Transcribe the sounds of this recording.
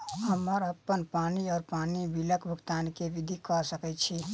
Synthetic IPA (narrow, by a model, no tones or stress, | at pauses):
ɦəməɾəpːənpaniɔːɾpanibiləkbʱəɡt̪ankeʋid̪ʱikɔsəkɛt͡ʃʰi